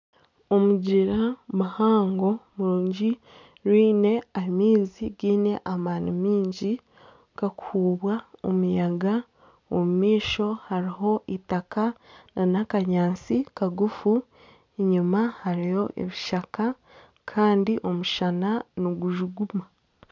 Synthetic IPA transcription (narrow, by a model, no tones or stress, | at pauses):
o̞muɟiɾamuhaːŋɡo̞muɾuːɲɟi | ɾwiːne̞aimiːziɡiːne̞ʔamaːnimiːɲɟi | kakuhuːβwao̰mujaɡa | omumiːʃo̞haɾiɦo̞ʔitakananakaɲaːnt͡sikaɡufu | eɲumahaɾijo̞ʔḛβiʃaka | kʰaːndiʔo̞muʃananoɡuʒuɡuma